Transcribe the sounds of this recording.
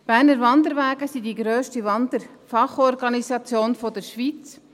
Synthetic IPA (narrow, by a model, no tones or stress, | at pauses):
b̥æːɾnəɾvɑnd̪əɾʋæːɡəsidiɡɾøːʃtiʋɑnd̪əɾ | fɑχɔɾɡɑnisɑt͡sjoːnfɔd̪əɾʃʋit͡s